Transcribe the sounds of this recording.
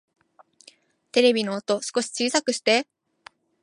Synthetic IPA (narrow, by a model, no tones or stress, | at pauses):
t̪e̞ɾe̞bʲino̞ːt̪o̞sɨ̥ko̞ɕi̥t͡ɕɨːsakɯ̟ɕi̥t̪e̞